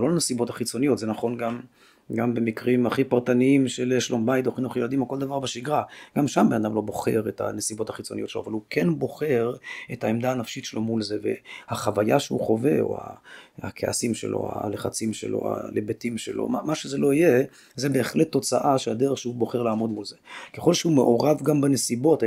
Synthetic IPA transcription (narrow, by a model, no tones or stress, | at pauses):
lo̞lanesibo̞thḁχit͡so̞nijo̞tzenaχo̞nɡam | ɡambe̞mikʁimaχipaʁtaniimʃeleʃlombajt̪oχinuχjelad̪imoko̞ld̪avaʁbeʃiɡʁaɡ̥amʃambenadamlo̞bo̞χe̞̰ʁeta̰nesibo̞thaχit͡so̞nijo̞tʃeloavalukʰenbo̞χe̞ʁetaemd̪aːnafʃitʃelo̞mulze̞ve̞̰haχavajaʃeuχo̞ve̞o̞̰a̰ha̰kʰeʔa̰simʃḛlʔo̰a̰leχat͡simʃḛlo̞̰a̰lebetimʃḛlo̞̰mamaʃezelo̞ije | zebe̞ːχletːo̞t͡saʔaʃead̪eʁeχʃehubo̞χe̞ʁlaːmo̞d̪mulze̞keχo̞lʃeumeʔo̞ʁavɡambanesibo̞t